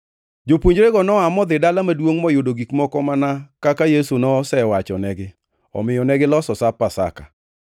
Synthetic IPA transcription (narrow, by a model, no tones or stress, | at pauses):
d͡ʒopwoɲd͡ʒɾeɡɔnɔamɔd̪ɪdalamadwoŋmɔjʊdoɡikmɔkɔmanakakajesonɔsɛwat͡ʃɔnɛɡɪ | ɔ̰mɪjɔnɛɡɪlɔsɔsapasa̰ka